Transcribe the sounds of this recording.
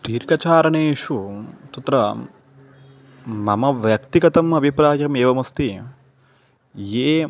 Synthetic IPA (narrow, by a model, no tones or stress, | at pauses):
t̪iːɾkɐt͡ʃaːɾɐneːʂut̪ɐt̪ɾɐ | mɐmɐʋjɐkt̪iɡɐt̪ɐmɐbʱipɾaːjɐmeːʋɐmɐst̪i | jeː